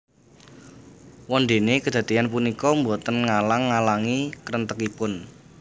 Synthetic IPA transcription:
wɔnd̪e̤nekəd̪̥ä̤d̪̥ianpunikɔmbot̪ənŋalaŋːalaŋikəɾənt̪əkipʊn

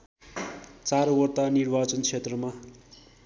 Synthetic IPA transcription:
t͡saɾwʌrt̪anirbat͡sʌnt͡sʰet̪rʌma

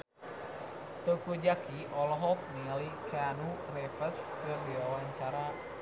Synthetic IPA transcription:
t̪əkud͡ʒakiʔɔlɔɦɔk̚nialikʰanurɛfəskədiwawaɲt͡ʃaɾa

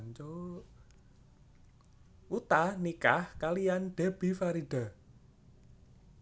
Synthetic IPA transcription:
ɲt͡ʃo | ut̪anikahkalijanɖ̥e̤b̥ifaɾid̥a̤

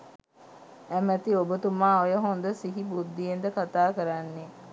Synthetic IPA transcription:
æmæt̪iobət̪umaːojəɦond̪əsiɦibud̪ːijend̪əkat̪aːkəɾanːe

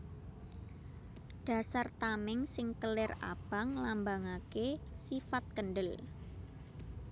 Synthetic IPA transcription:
ɖ̥a̤sart̪amɪŋsɪŋkəlɪra̰b̥a̤ŋlambaŋakesifat̪̚kənɖəl

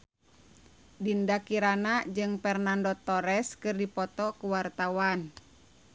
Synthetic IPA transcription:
dindakiɾanad͡ʒɨŋpɛrnandɔt̪ɔɾɛskɨrdipɔt̪ɔkuwart̪awan

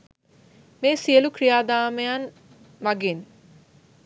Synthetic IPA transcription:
meːsijəlukɾijaːd̪aːmejan | mɐɡin

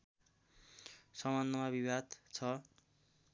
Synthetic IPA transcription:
sʌmanːʌmabibad̪t͡sʰʌ

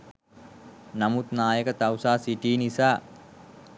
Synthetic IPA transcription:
namut̪naːjəkət̪awsaːsiʈiːnisaː

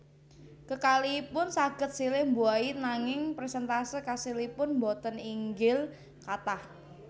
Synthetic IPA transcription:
kəkalipʊnsaɡ̥ə̤t̪̚silɪhmbuainaŋɪŋpɾesɛnt̪asəkasilipʊnmbot̪əniŋɡɪl | kat̪ah

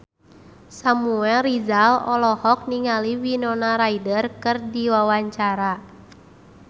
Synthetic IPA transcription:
samuɛlrizalɔlɔhɔk̚niŋaliwinɔnaɾaidərkɨrdiwawaɲt͡ʃaɾa

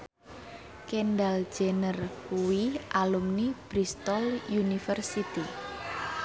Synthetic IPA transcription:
kenɖal̥d͡ʒ̥enəruwiʔalumnib̥ɾist̪ɔljunifərsit̪i

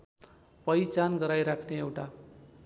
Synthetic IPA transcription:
pʌjt͡sanɡʌɾajɾakʰneewʈa

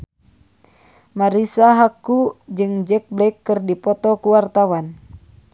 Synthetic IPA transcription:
maɾisaɦakud͡ʒɨŋd͡ʒɛk̚blɛkːɨrdipɔt̪ɔkuwart̪awan

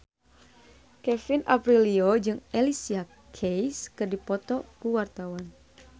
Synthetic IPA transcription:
kɛfinʔa̰pɾiliod͡ʒɨŋɛlisia | kʰejskɨrdipɔt̪ɔkuwart̪awan

